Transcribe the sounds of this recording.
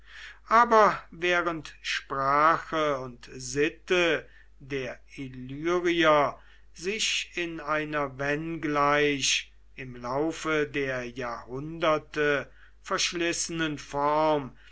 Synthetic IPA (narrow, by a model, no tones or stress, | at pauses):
ʔaːbɐvɛːʁəntʃpʁ̥aːxəʊntzɪtə | deːɐilyːʁiɐ | zɪʃɪnaɪnɐvɛnɡlaɪʃ | ʔɪmlaʊfədeːɐjaːɐhʊndɐtə | fɛɐʃlɪsənənfɔʁm